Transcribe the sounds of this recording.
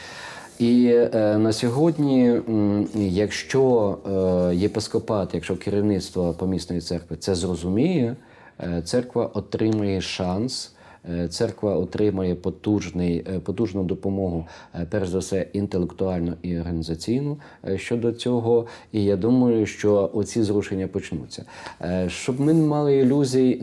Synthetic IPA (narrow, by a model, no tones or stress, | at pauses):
inɐsʲɔɦɔdʲnʲi | jɐkʃt͡ʃɔ | jepɪskɔpɑt̪jɐkʃt͡ʃɔkɪɾʲiwnɪt̪st̪ʋɔpɔmʲisnɔjit̪sɛrkʋɪt̪sɛzrɔzʊmʲijɛ | t̪sɛrkʋɐʔɔt̪ɾɪmɐjɛʃɑns | t̪sɛrkʋɐɔt̪ɾɪmɐjɛpɔt̪uʒnɪjpɔt̪uʒnʊd̪ɔpɔmɔɦʊpɛrʒzɐwsɛint̪elˠekt̪ʊɑlʲnʊʔiɔrɦɐnʲizɐt͡sʲijnʊ | ʃt͡ʃɔd̪ɔt͡sʲɔɦɔ | ijad̪umɐjʊʃt͡ʃɔʔɔt͡sʲizɾuʃenʲːɐpɔt͡ʃnṵt͡sʲːɐ̰ʃt͡ʃɔbmɪnmɑlˠɪilʲuzʲiji